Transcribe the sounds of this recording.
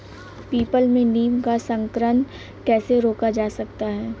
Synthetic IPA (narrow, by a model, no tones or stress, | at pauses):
piːpəlmẽniːmkasə̃ŋkɾən | kɛːseɾoːkad͡ʒaːsɐk̚t̪aɦɛː